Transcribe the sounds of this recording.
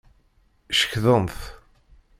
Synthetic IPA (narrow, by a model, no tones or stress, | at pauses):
ʃə̥çðənθ